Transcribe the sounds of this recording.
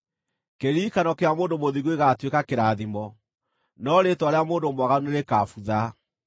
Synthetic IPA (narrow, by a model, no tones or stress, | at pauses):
keɾikanɔkeamoːndomoðiɣueɣatwekakeɾaðimɔ | nɔɾetwaɾeamoːndomwaɣanueɾekafuða